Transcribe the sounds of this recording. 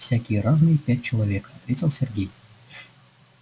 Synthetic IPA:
fsʲakʲijəɾaznɨjəpʲæt̚ʲt͡ɕɪlˠɐvʲekɐt̪vʲetʲelˠsʲerɡʲej

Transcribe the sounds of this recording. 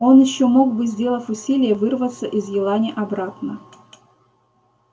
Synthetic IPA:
o̞njɪɕːomo̞ɡ̚bɨzʲdʲelˠəfʲʊsʲilʲɪjəvɨrvət̪səʔɪzjɪlˠanʲɪʔɐbɾat̪nə

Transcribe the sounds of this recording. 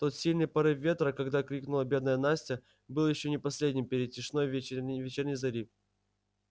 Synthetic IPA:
t̪o̞t̪sʲilʲnɨjpɐɾɨvʲe̞t̪ɾəkɐɡd̪akɾʲiknʊlˠəbʲe̞d̪nəjənasʲtʲɪ | bɨlˠjɪɕːo̞nʲɪpɐsʲlʲedʲnʲɪmpʲɪɾʲɪt̪̚tʲːɪʂno̞jvʲvʲɪt͡ɕɛrnʲɨjzɐɾʲif

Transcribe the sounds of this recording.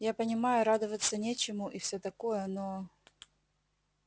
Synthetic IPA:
japənʲɪmajʊɾad̪əvət̪sːənʲet͡ɕɪmʊʔifsʲɵt̪ɐkojəno

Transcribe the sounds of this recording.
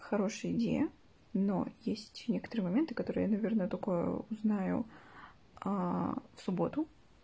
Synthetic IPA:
xɐɾo̞ʂəjəɪdʲḛjə | no̞̰jesʲtʲnʲekə̥t̪əɾɨjəmɐmʲe̞nt̪ɨkɐt̪o̞ɾɨjanɐvʲernəjət̪okə̰ʊznajʊ̰ | afsʊbo̞t̪ʊ

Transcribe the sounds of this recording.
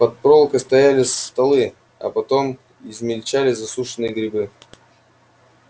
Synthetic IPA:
pɐt̪̚pɾo̞lˠkəst̪ɐjælʲɪst̪ɐlˠɨ | ɐ̰pɐt̪o̞m | ɪzmʲɪlʲt͡ɕalʲɪzɐsuʂɨnɨjəɡɾʲɪbɨ

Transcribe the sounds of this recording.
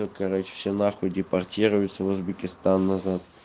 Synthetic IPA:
okɐɾot͡ɕɪ̥fsʲenaxʊdʲɪpɐrtʲiɾʊjʊt̪səvʊzbʲɪkʲɪst̪anːɐzat̪̚

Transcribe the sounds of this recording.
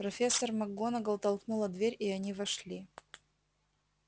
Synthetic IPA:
pɾɐfʲe̞sːərmɐɡo̞nəɡəʊt̪ɐlˠknulˠəd̪vʲeɾʲɪɐnʲivɐʂlʲi

